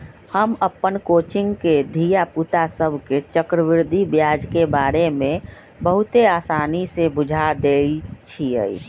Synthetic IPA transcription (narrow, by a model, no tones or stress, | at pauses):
həməpːənkoːt͡ʃɪ̃ŋɡked̪ʱijaput̪asəbʱket͡ʃəkɾəʋɪɾd̪ʱibjaːd͡ʒkebaːɾemẽ | bəɦʊt̪eaːsaːnisebʊd͡ʒʱad̪eit͡ʃʰiə̰ḭ